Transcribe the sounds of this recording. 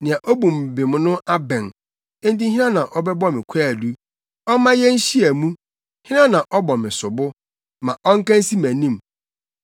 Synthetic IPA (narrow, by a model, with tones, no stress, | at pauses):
nɪ̃˨ã˨ʔɔ˦bũ˨m̩˨bɪ˨m˦nʊ̃˦ʔa˦bɛ̃˨n | ẽ˦n˦t̬ĩ˦ɦĩ˦nã˦nã˨ʔɔ˦bɛ˦bɔ˦mɪ̃˨kʷʰɛ˦˨du˦ | ɔ˦mã˦jɛ˦n̩˦ɕi˦æ˨mũ˦ | hɪ̃˦nã˦nã˨ʔɔ˦bɔ˨mɪ̃˨sʊ˨bʊ˦ | mã˨ʔɔ˦ŋ̩˦kã˦n˦si˦mæ̃˨nĩ˦m